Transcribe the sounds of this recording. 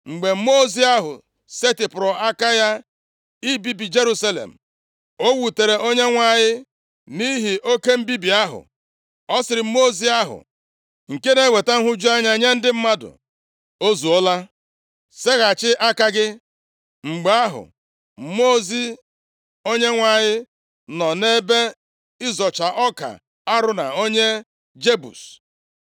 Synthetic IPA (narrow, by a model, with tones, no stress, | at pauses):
ŋ͡m̩˨ɡ͡be˨m̩˦mo˦˨zi˦a˦ɦʊ̰˨ | se˦tɪ˨pʊ˨ɾɔ˨a˦ka˦ja˦ | i˦bi˦bi˨d͡ʒe˦ɾu˦sa˦lḛ˨m̩˨ | o˦wu˨te˨ɾe˨ʔo˦ɲe˦ŋʷa˦˨ɲɪ˦ | ni˦ɦi˨ʔo˦ke˦m̩˦bi˦bi˨a˦ɦʊ̰˨ | ɔ˦sɪ˨ɾɪ˨m̩˦mo˦zi˦a˦ɦʊ̰˨ | ŋ̩˨ke˦ne˦we˨ta˦n̩˦ɦʊ˦d͡ʒu˦a˦ɲa˦ɲa˦n̩˦dɪ˦m̩˦ma˦dʊ̰˨ | o˦zu˨ɔ˦la˦ | se˦ɣa˨t͡ʃɪ˦ʔa˦ka˦ɡɪ˦ | ŋ͡m̩˨ɡ͡ba˨a˦ɦʊ̰˨ | m̩˦mo˦zi˦ | o˦ɲe˦ŋʷa˨ɲɪ˦ | nɔ˨ne˦be˦ | ɪ˦zɔ˨t͡ʃa˨ʔɔ˦ka̰˨ | a˦ɾʊ˦na̰˨o˦ɲe˦ | d͡ʒe˦bṵ˨s